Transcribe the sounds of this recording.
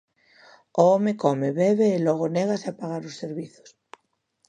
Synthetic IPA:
oomekomeβeβeːloɣ̞oneɣ̞aseapaɣ̞aɾoseɾβiθo̥s

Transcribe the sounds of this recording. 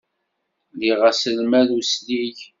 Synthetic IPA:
liʁæsəlmæðusliʝ

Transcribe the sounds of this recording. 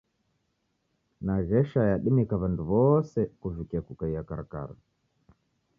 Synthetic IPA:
naʒɛʃajaɗimikaβanduβɔsɛkuvikiakukaiakaɾaka̰ɾa̰

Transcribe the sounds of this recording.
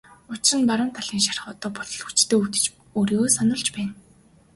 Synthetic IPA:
ʊt͡ɕɪrɘ̆npaɾə̆mt̪ʰaɮiːŋʃarχɔːt̪ɔːpɔɮɞ̆ɮut͡ɕt̪ʰeːut̪ɘ̥̆t͡ɕ | oːɾioːsanɞ̆ɮt͡ɕpæːn

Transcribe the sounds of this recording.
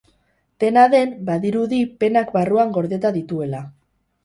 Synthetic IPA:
t̪e̞naðe̞mbaðiɾuðipe̞nakbaruaŋɡo̞ɾðe̞t̪aðit̪ue̞la

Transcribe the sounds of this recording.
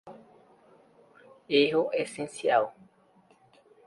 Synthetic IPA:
eɦoʔesẽnsjal

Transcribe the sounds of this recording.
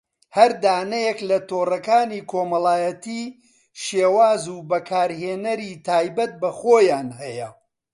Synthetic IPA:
hɐɾd̪aːnɐjɛklɐt̪oːrɐkaːniːkʰoːmɐlaːjɐt̪iː | ʃeːwaːzuːbɐkʰaːɾɦeːnɐɾiːt̪ʰaːjbɐt̪̚bɐχoːjaːnhɐjɐ

